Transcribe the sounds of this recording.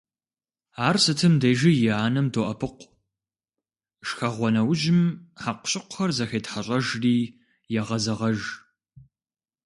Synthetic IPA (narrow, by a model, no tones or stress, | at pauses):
aːrsɨtʰɨmdeːʒɪjɪaːnɐmdʰoʔɐpʰɨqʷ | ʃxɐʁʷɔnɐwʒɪmħaqʷʊ̥ɕʼɪqʷʊ̥xɐrzɐxeːtħaɕʼɐʒriː | jɛʁɐzɐʁɐʒ